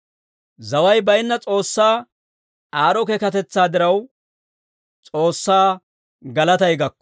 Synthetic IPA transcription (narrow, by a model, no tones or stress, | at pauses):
zɐwɐjbɐjnːɐt͡sʼo̞ːsːaː | aːɾɔkɛkɐt̪ɛt͡sːaːd̪ɪɾɐw | t͡sʼoːsːaː | ɡɐlɐt̪ɐjɡɐkːɔ̥